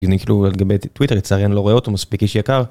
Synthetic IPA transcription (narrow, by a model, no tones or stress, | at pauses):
nekilualɡabejt̪witeʁit͡saːʁjenloʁoeot̪omaspikiʃjakaʁ